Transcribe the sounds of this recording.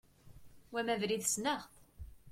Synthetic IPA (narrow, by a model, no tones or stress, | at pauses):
wæmævɾiðsnəʁθ